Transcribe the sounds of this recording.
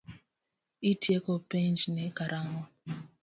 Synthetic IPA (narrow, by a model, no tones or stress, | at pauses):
itiekɔpend͡ʒnekaɾaŋɔ